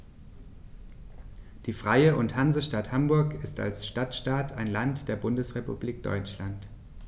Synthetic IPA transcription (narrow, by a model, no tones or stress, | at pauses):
d̥iːfʁ̥aɪəʔʊnthanzəʃtathambʊɐkɪsta̰lsʃtatʃtaːtaɪnlantd̥eːɐbʊndəsʁepṵbliːk̚d̥ɔ̰ʏt͡ʃlant